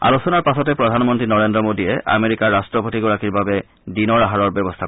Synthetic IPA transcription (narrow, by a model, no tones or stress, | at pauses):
a̰losɔnaɹpasɔtɛpɹɔdʱanmɔntɹinɔɹendɹɔmodijɛʔa̰meɹikaɹːastɹɔpotiɡɔɹakiɹbabɛ | dinɔɹaɦaɹɔɹbjɔbɔstʰa